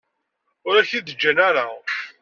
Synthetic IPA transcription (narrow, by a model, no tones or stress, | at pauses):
ʊɾæçiðəd͡ʒːənæɾa